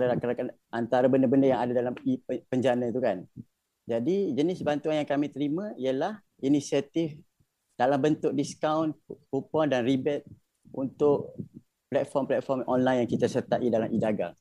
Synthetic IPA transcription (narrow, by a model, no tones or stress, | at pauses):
ɾalakəɾakan | ʔant̪aɾabəndəbəndəjaŋadadalamipəɲd͡ʒanait̪ukan | d͡ʒadid͡ʒənɪsbant̪uanjaŋkamĩt̪əɾimãijəlah | inisiat̪ɪf | d̥alambənt̪ʊk̚diskawnpupɔndanribɛt̪̚ | ʔunt̪ʊʔ | plɛt̪̚fɔmplɛt̪̚fɔrmɔnlajnjaŋkit̪asərt̪aʔidalamʔidaɡa̰ŋ